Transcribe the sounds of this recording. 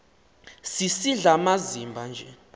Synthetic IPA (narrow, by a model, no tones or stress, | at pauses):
sisiɮamazimbʱand͡ʒʱɛ